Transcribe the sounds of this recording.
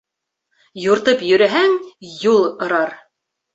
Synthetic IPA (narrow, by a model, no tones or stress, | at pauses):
juɾt̪ɤpjɵ̆ɾæɦæŋjulˠŏɾɑɾ